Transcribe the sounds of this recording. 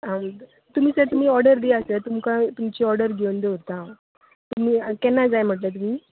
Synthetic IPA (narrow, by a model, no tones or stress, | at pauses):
a | t̪um̤iːsət̪um̤iːɔɾɖəɾd̪iəset̪umkãt̪umt͡ɕiɔɾɽəɾɡʱewnd̪euɾt̪ã | t̪um̤iːkɛnːad͡zajm̤əʈlet̪um̤iː